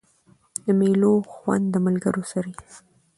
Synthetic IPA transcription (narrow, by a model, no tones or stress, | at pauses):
d̪̥əmeloxwa̰nd̪̚dːəmalɡəɾosaɾi